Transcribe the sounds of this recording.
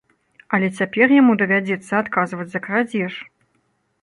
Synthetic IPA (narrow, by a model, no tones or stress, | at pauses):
ɐlʲɛt͡sʲapʲɛrjamud̪ɐvʲad͡zʲɛt̪sːɐat̪kazvɐd͡zʲzɐkɾad͡zʲɛʂ